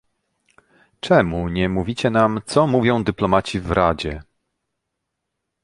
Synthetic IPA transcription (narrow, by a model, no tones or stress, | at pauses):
t͡ʂɛmuɲɛmuvʲit͡ɕɛnamt̪sɔmuvʲjɔ̃w̃d̪ɘplɔmat͡ɕivɾad͡ʑɛ